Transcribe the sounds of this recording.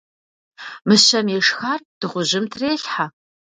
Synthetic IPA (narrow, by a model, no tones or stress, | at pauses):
mɨɕɐmjɛʂxaːrd̥ɨʁʷʊʑɪmtʰreːɬħa